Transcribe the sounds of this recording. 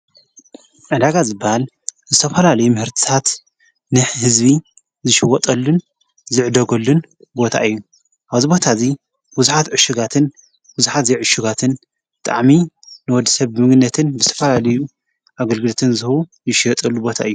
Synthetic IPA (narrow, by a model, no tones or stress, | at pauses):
ʔɨd̪aɡazɨbːɐhal | zɨt̪ʰɐfɐlalɐjumɨhɨɾt̪ʰi̥t̪ʰat̪ | nɨħhɨzbi | zɨʃiwɔt̪ʼɐlːun | zɨʕd̪ɐɡɐlːun | bo̞t̪ʰa̰ʔɨjːu | ʔaβzibo̞t̪ʰazi | buzuħat̪ʕɨʃɪɡat̪ʰɨn | buzuħat̪zeʕɨʃɪɡat̪ʰɨn | bɨt̪ʼa̰ʕmi | nɨwɔd̪ːi̥sɐβbɨmɨɡnːɐt̪ʰɨnbɨzɨt̪ʰɐ̥fɐlalɐju | ʔaɡɐlɡɨlɐt̪ʰɨnzɨhβujɪʃɪjɐt̪ʼɐlːubo̞t̪ʰa̰ʔɨjːu